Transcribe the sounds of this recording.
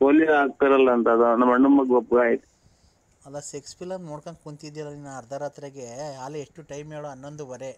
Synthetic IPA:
poːliɾaːk̚t̪ɐɾɐlːɐːnt̪ɐːd̪unɐmɐɳɖumːɐɡɔp̚ɡaːjit̪e̥ | ɐlːɐsekspilɐnnoːɽkankkunt̪id̪ijɐlːɐninːɐɐɾd̪ʱaɾaːt̪ɾeɡeaːleeʂʈuʈɐjmeːɭuɐnːond̪ubɐɾe

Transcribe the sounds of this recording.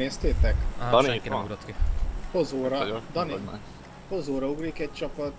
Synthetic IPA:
eːst̪eːt̪ɛkikuɡɾot̪kihozoːɾɒd̪ɒni | hozoːɾɒuɡriːkɛc̚t͡ʃɒpɒt̪

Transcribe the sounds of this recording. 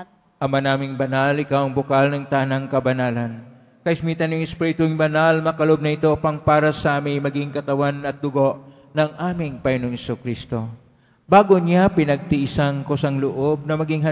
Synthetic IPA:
ʔɐmanaːmɪŋbɐnalɪkawɐŋbʊkalnɐŋt̪aːnɐŋkɐbɐnaːlɐn | kɐʔɪsmit̪ɐnjʊŋɛspiɾɪt̪ʊŋbɐnalmɐkɐlob̚nɐɪt̪o̞pɐŋpaːɾɐsɐmɐjmɐɡiŋkɐt̪ɐwanʔɐt̪̚d̪ʊɡo̞ʔ | nɐŋʔaːmɪŋpɐŋɪnoŋhɛsukɾist̪o̞ | baːɡoɲapɪnɐɡ̚t̪ɪʔɪsaŋkosaŋlʊʔo̞b̚nɐmɐɡiŋɦɐ

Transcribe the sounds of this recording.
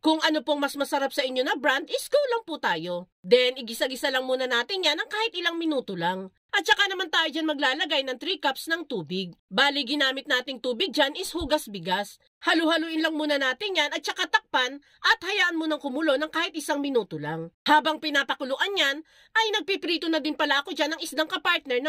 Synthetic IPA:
kʊŋʔɐnopoŋmɐsmɐsɐɾap̚sɐʔɪɲjonɐbɾand̪ɪskuwlɐŋpʊt̪aːjo̞ | d̪ɛnɪɡɪsaŋɪsalɐŋmuːnɐnaːt̪ɪnjanɐŋkaːhɪt̪ʔɪlaŋmɪnuːt̪olaŋ | ʔɐt̪̚t͡ʃɐkanɐmant̪aːjod͡ʒanmɐɡ̚laːlɐɡajnɐŋt̪ɾiːkapsnɐŋt̪uːbɪɡ̚baːlɪɡɪnaːmɪt̪̚naːt̪ɪŋt̪uːbɪɡ̚d͡ʒanɪshuːɡɐsbɪɡas | hɐluhɐluʔɪnlɐŋmuːnɐnaːt̪ɪnjanɐt̪̚t͡ʃɐkat̪ɐk̚pan | ʔɐt̪hɐjaːʔɐnmonɐŋkʊmʊlo̞nɐŋkaːhɪt̪̚ʔɪsaŋmɪnuːt̪olaŋhaːbɐŋpɪnaːpɐkʊlʊʔanɲan | ʔɐjnɐɡ̚pipɾiːt̪onɐd̪ɪnpɐlaʔɐkod͡ʒanɐŋɪsd̪aŋkɐpaɹt̪̚nɛɹnɐ

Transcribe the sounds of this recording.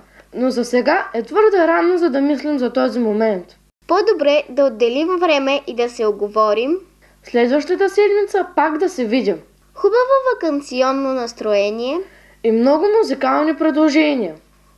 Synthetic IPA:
nozɐsɛɡaʔɛt̪vɤɾd̪ɐɾanozɐd̪ɐmislimzɐt̪ɔzimomɛnt̪ | pod̪obɾɛd̪ɐod̪ːɛlimvɾɛmɛʔid̪ɐsɛoɡovɔɾim | slɛd̪vɐʃt̪ət̪əsɛd̪mit̪səpakd̪ɐsɛvid̪ʲim | xubɐvovɐkɐnt̪siɔnːonɐst̪ɾoɛnijɛ | imnɔɡʊmuzikalˠnipɾɛd̪lˠoʒɛnʲiɐ

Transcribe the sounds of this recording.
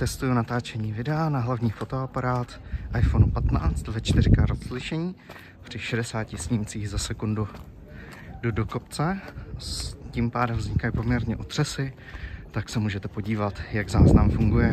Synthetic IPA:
t̪ɛst̪ujunat̪aːt͡ʃɛɲiːvɪdɛanaɦlavɲiːfo̞t̪o̞apaɾaːt̪ʔajfo̞nupat̪na̰ːt͡st̪vɛt͡ʃt̪ɪɾɪkaɾozlɪʃɛɲiː | pr̥ɪʃɛdɛsaːcɪsɲɪmt͡siːɣzasɛkundu | dodokopt͡sɛ | cimpaːdɛmvzɲɪkajipo̞mɲɛɾɲɛʔot̪r̥ɛsɪ | t̪aksɛmuːʒɛt̪ɛpo̞ɟiːvat̪jaɡzaːznamfuŋɡujɛ

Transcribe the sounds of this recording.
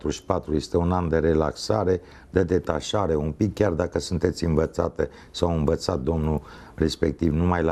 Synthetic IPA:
t̪ɾuʃi̥pat̪ɾuje̞st̪e̞unand̪eɾe̞la̰ksaɾe̞ | d̪ed̪e̞t̪aʃaɾe̞umpikːʲard̪akəsunt̪e̞t̪sʲɨnvət̪sat̪e | sawɨnvət̪sat̪̚d̪omnu | re̞spe̞k̚t̪ivnumajla

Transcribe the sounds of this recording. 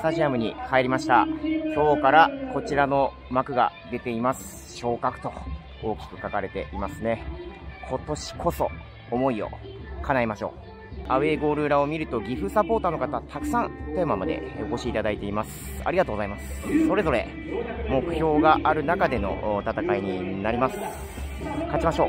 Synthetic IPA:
st̪aʑiamɯ̟ɲ̟ḭhaeɾʲimaɕi̥t̪aço̞ːkaɾako̞t͡ɕiɾano̞ | makɯ̟ɡa̰d̪e̞t̪e̞imasɨ̥ | ɕo̞ːkakɯ̟̥t̪o̞ | o̞ːkʲi̥kɯ̟̥kakaɾe̞t̪e̞ʔimasɨne̞kʰo̞t̪o̞ɕi̥kʰo̞so̞ː | mo̞io̞̰ | kʰanaimaɕo̞̰ː | aɯ̟e̞ːɡo̞ːɾɯ̟ːɾao̞mʲiɾɯ̟t̪o̞ɡʲiɸɯ̟sapo̞ːt̪ano̞kat̪at̪ʰakɯ̟̥sãnt̪e̞ːmamad̪e̞̰oko̞ɕiːt̪ad̪ait̪e̞imasɨ̥ | a̰iɡat̪oːɡo̞zaimasɨ̥so̞ɾe̞zo̞ɾe̞̰ | mo̞kɯ̟̥ço̞ːɡaʔaɾɯ̟nakad̪e̞no̞̰t̪at̪akaiɲ̟inaɾʲimasɨ̥ | kat͡ɕimaɕo̞ː

